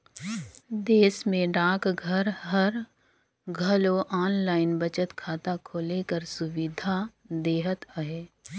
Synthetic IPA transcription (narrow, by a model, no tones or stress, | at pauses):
d̪eːsmẽɖãːkɡʱəɾɦəɾ | ɡʱəloʔaːnlaːɪnbət͡ʃət̪kʰaːt̪akʰoːlekəɾsʊwɪd̪ʱa | d̪eːɦət̪əɦeː